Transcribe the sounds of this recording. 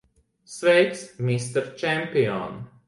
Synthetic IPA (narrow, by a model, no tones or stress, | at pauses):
svɛjt̪smist̪ɛɾt͡ʃɛmpʲiɔ̰n